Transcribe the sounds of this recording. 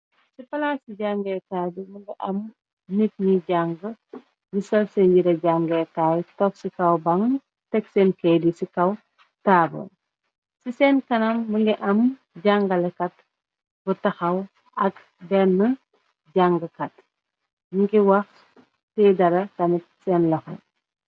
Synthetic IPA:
sifɐlaːsiɟaŋɡɛkaːduməŋɡiʔɐm | nik̚ɲiɟaŋɡə | jisɐlsɛnɟiɾɐɟaŋɡɛkaːjtɔk̚sikɐwbɐŋ | tɛksɛːnkɛdisikɐw | taːbɐ̰ | sisɛːnkɐnɐmːəŋɡiʔɐm | ɟaŋɡɐlɛkɐt | butɐxɐw | ɐk | bɛnːə | ɟaŋɡəkɐt̚ | miŋɡiwɐx | tɛdɐɾɐkɐnɛt̚sɛnlɐxɐ̰

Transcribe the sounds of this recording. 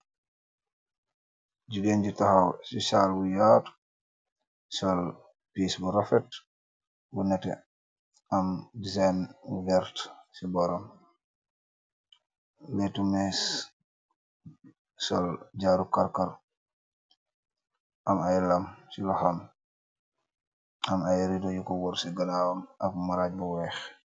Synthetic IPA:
ɟuɡɛnɟitahawsisaːlbujaːt | sɔl | pisbuɾɔfɛt | bunɛtɛ̰ | amdizajnvɛɾtsibɔɾɔm | lɛtumɛs | sɔlɟaːɾukaɾkaɾ | ʔamajlamsilɔxam | amajɾidɔjukɔwɔɾsiɡalaːwamʔakmaɾaːɟ̚bɔwɛːx

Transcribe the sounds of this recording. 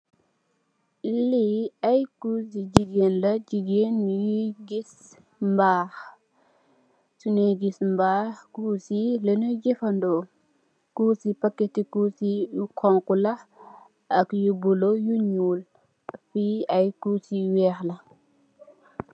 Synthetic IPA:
liɐjkusid͡ʒiɡeːnlɐd͡ʒiɡenːjuɡis | mbaːx | suneɡismbaːxkusilenud͡ʒifɐndɔ | kusipɐkːɛtikusikʰɔŋkulɐ | ʔɐkjubulojuɲuːl | fiɐjkusiwɛːxlɐ

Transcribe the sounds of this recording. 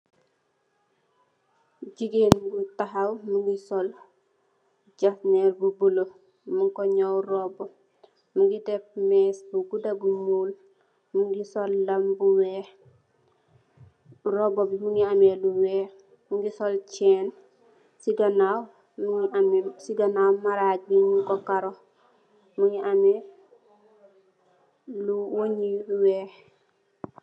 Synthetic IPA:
ɟiɡenbutaɦawmuŋɡisɔl | ɟafnɛːɾbubulo | muŋkɔɲawrɔbɔ | muŋɡidɛp̚mɛsbuɡudabumuːl | muŋɡisɔlːɐmbuwɛ | ɾɔbɔbimuŋɡiamɛluwɛː | muŋɡisɔlt͡ʃɛːn | siɡɐnaw | muiamɛsiɡɐnawmaɾaɟimukɔkaɾɔ | muŋɡiʔamɛ | luwoɲiwɛː

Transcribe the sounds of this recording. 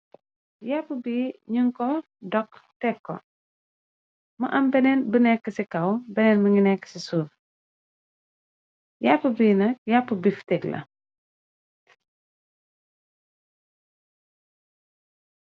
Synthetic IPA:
japːəbiːɲuŋkɔ | dɔktɛkːɔ̰ | mɐʔɐmbɛnɛnbənɛkːəsikɐwbɛnɛnməŋinɛkːə̥sisuːɾ | japːəbiːnɐk̚japːəbiftɛklɐ̰

